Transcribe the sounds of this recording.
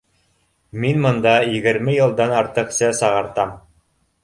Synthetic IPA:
minmŏnd̪ɑjɘ̆ɡɘ̆ɾmɘjɤ̆lˠd̪ɑnɑɾt̪ɤ̆qsɤsɑʁɑɾt̪ɑm

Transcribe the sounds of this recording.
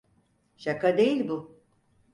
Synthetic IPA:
ʃakʰad̪e̞jilʲbʊ

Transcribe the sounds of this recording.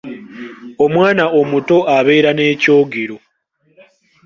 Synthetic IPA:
o̞mwaːnao̞muto̞ʔaβe̞ːɾane̞ːco̞ːɡeɾo̞

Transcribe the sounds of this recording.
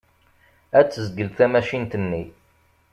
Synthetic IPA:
æt͡sːəzɡəlθæmæʃint̪ənːi

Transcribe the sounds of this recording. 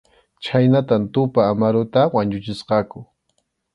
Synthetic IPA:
t͡ʃajnat̪ant̪ʊpaːmaɾʊt̪awaɲʊt͡ʃɪsqɑkʊ

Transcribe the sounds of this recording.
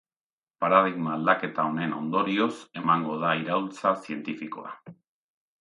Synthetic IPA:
paɾað̞iɣmaːld̪ake̞t̪ao̞ne̞no̞nd̪o̞ɾio̞se̞maŋɡo̞ð̞aiɾault͡sasie̞nt̪ifiko̞̰a̰

